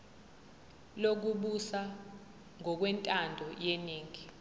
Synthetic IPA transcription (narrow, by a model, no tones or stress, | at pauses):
lok̬uɓusa | ŋɔk̬wɛntʼandʱɔjɛniːŋi